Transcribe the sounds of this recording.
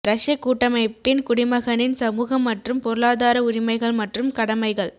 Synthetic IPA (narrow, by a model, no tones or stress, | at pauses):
ɾɐʂjɐkːuːʈːɐmɐɪpːɪnkʊɽɪmɐɣɐnɪnsɐmuːɣɐmːɐʈrɯmpɔɾɯɭaːðaːɾɐʊɾɪmɐɪɣɐɭmɐʈrɯmkɐɽɐmɐɪɣɐɭ